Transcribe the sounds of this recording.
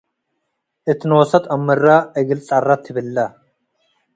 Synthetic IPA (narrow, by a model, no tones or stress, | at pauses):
ʔɪt̪noːsɐt̪ɐmːɐrːaːɛɡɪlt͡sʼɐrːɐt̪ʰːɪbɪlːɐ